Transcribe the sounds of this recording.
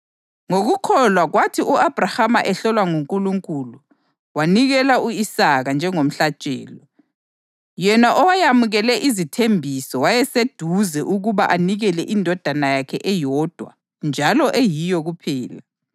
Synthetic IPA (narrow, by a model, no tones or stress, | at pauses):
ŋoɣukʰɔlwaɣwatʰiʔuab̥ʱrahamaʔɛɬɔlwaŋuŋkʼuluŋkʼulu | waniɣɛlauisaɣand͡ʒʱɛŋom̩ɬat͡ʃʼɛ̰ːlɔ | jɛnaʔɔwajamuɣɛlɛʔizitʰembʱisɔwajɛsed̥ʱuzɛʔuɣuβa̰ʔaniɣɛlɛʔindʱɔd̥ʱanajakʰɛʔɛjɔd̥ʱwa̰ | nd͡ʒʱalɔʔejijɔɣupʰɛːla